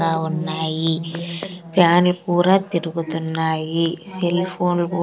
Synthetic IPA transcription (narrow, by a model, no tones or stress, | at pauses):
aːwunːaːji | paːnlkuːɾaːt̪ːɪɾɯɣɯt̪ːunːaːjisɛlfoːnlkuː